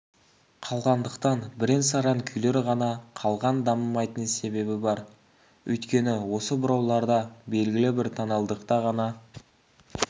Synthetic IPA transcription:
qʰɑlˠʁɑnd̪əqt̪ɑnbɪɾensɑɾɑŋkʲʰʏjle̞ɾʁɑnɑqʰɑlˠʁɑnd̪ɑməmɑjt̪ənse̞be̞bɪbɑɾ | ɵ̰jt̪kʲe̞nɪwo̞səbʊɾɑwlˠɑɾd̪ɑbe̞lɡʲɪlɪbɪɾt̪ʰɑnɑlˠd̪əqt̪ɑʁɑnɑ

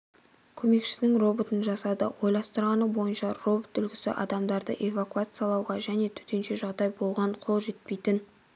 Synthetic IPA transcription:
kʲʰɵme̞kʃɪ̥sɪnɪŋro̞bot̪ənʒɑsɑd̪ə̰wo̞jlˠɑst̪əɾʁɑnəbo̞jənʃɑro̞bot̪ʏlɡʲɪsɪ̰ʔɑ̰d̪ɑmd̪ɑɾd̪ə̰ʔe̞vakuat̪sɨjɑlˠɑwʁɑʒæne̞t̪ʰʏ̥t̪e̞nʃe̞ʒɑʁd̪ɑjbo̞lˠʁɑɴqʰo̞lˠʒe̞t̪̚pe̞jt̪ɪn

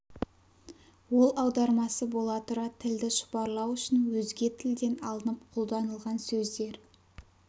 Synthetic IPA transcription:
wo̞lˠɑwd̪ɑɾmɑsəbo̞lˠɑt̪ʊɾɑt̪ʰɪld̪ɪʃʊ̥pɑɾlˠɑwʏʃɪnwɵzɡʲe̞t̪ʰɪld̪e̞nɑlˠənəp̚qʰolˠd̪ɑnəlˠʁɑnsɵzd̪e̞ɾ

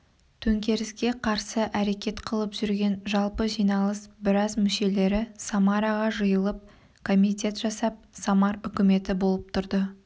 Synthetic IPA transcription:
t̪ʰɵŋkʲe̞ɾɪskʲe̞qʰɑɾsəʔæɾe̞kʲe̞t̪qʰəlˠəpʒʏɾɡʲe̞nʒɑlˠpəʒijnɑlˠəsbɪɾɑzmʏʃe̞le̞ɾɪsɑmɑɾaʁɑʒəjəlˠəp̚ | kʰo̞mʲit̪ʲe̞t̪ʒ̥ɑsɑp̚sɑmɑɾʏkʲɪme̞t̪ɪbo̞lˠəp̚t̪ʰʊɾd̪ə

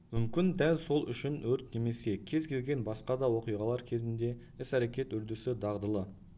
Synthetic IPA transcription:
mʏmkʲɪnd̪ælso̞lˠʔʏ̰ʃɪnwɵɾt̪ne̞me̞se̞kʲʰe̞zkʲʰe̞lɡʲe̞nbɑsqɑd̪ɑwo̞qijʁɑlˠɑɾkʲʰe̞zɪnd̪e̞ | ɪsæɾekʲe̞t̪ʏɾd̪ɪsɪd̪ɑʁd̪əlˠə

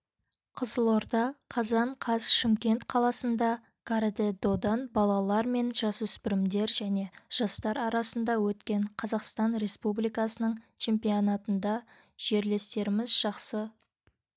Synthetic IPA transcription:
qʰəzəlˠo̞ɾd̪ɑqʰɑzɑɴqʰɑsʃɪmkʲe̞nt̪qʰɑlˠɑsənd̪ɑ | kaɾd̪ed̪o̞d̪ɑnbɑlˠɑlˠɑɾme̞nʒ̥ɑsʏspɪɾɪmd̪e̞ɾʒæne̞ʒ̥ɑst̪ɑɾɑɾɑsənd̪ɑwɵt̪kʲe̞ɴqʰɑzɑqst̪ɑnɾe̞spublijkɑsənəɴt͡ʃʰe̞mpijonɑt̪ənd̪ɑ | ʒ̥e̞ɾle̞st̪e̞ɾɪmɪzʒ̥ɑqsə

